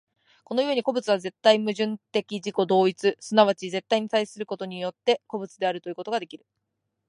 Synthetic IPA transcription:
ko̞no̞jo̞ːɲ̟iko̞bɯ̟t͡sɨβ̞aze̞t̪ːaimɯ̟ʑɨ̃nt̪e̞kʲiʑiko̞d̪o̞ːit͡sɨsɨnaβ̞at͡ɕize̞t̪ːaiɲ̟it̪aisɨɾɯ̟ko̞t̪o̞ɲ̟ijo̞t̪ːe̞ko̞bɯt͡sɨd̪e̞aɾɯ̟t̪o̞jiɯ̟ko̞t̪o̞ɡad̪e̞kʲiɾɯ̟

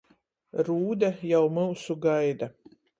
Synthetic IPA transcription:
ɾuːd̪ajawmɨwsuɡajd̪a

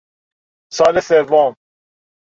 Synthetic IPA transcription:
sɑːlesevoːm

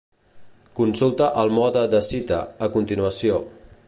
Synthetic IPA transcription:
kunsulˠt̪əʔəlˠmɔðəd̪əsit̪ə̰ːkunt̪inuəsio

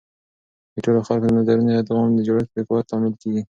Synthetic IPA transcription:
d̪̥əʈoloxalkod̪əmazaɾunojad̪ɪɣɑmd̪əd͡ʒaɾak̚d̪ekwat̪ːɑmɪlkeɡi

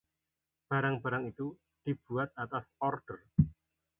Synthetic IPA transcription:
b̥a̤ɾaŋbaɾaŋit̪u | d̪̥i̤b̥uat̪̚at̪asɔrd̥ər

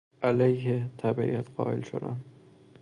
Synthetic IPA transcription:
ʔælæjhet̪ʰæbæʔḭæt̪ʰɢɒ̰ːʔelʃo̰d̪æ̰n

